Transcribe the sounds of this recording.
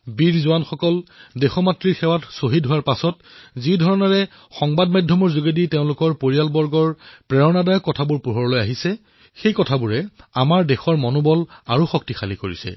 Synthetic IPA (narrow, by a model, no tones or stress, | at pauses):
biɹzʊanxɔkɔldexɔmatɹiɹxɛwatsoɦitɦʊwaɹpasɔtzidʱɔɹɔnɔɹɛ | xɔŋbadmajdʱjɔmɔɹzuɡediteʊ̃lʊkɔɹpoɹijalbɔɹɡɔɹpɹɛɹɔnadajɔkːɔtʰabuɹpuɦɔɹɔlojaɦisɛ | xejkɔtʰabuɹɛamaɹdexɔɹmɔnɔbɔlaɹuxɔk̚tixʰaliko̰ɹḭsɛ̰